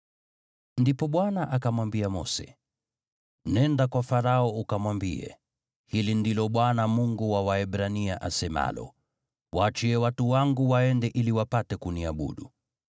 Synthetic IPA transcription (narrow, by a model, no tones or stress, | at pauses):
ndipɔɓwanaʔakamwambiamɔ̰sɛ̥̰ | nɛndakwafaɾaɔukamwambiɛ̰ | hilindilɔɓwanamuŋɡuwawaɛɓɾaniaʔasɛma̰lɔ̰ | waːt͡ʃiɛwatuwaŋɡuwaɛndɛʔiliwapatɛkuniaɓṵɗu